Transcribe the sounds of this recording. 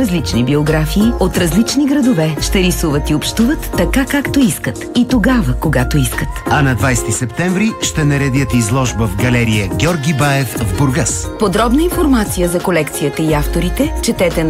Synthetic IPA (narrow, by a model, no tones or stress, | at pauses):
ɾɐzlit͡ʃnibioɡɾafiːot̪ɾɐzlit͡ʃniɡɾɐd̪ovɛʃt̪ɛɾisuvət̪iopʃt̪uvət̪ːɐkakakt̪oiskət̪it̪oɡavəkoɡat̪oiskət̪ɐnɐd̪vajst̪isɛpt̪ɛɱvɾiʃt̪ɛnɐɾɛd̪ʲjət̪izlˠɔʒbəvɡɐlɛɾijəɡʲɔɾɡʲibajɛfvbʊɾɡaspod̪ɾɔbn̪əinfoɾmat̪sijəzɐkolɛkt̪sijət̪əiaft̪oɾit̪ɛt͡ʃɛt̪ɛt̪ɛ